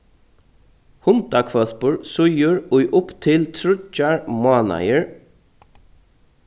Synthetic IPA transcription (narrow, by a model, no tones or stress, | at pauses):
hʊnt̪akʰvœl̥pʊɹsʊjʏɹʊjʔʊpt̪ʰɪlt̪ʰɾʊt͡ʃːaɹmaːna̰jəɹ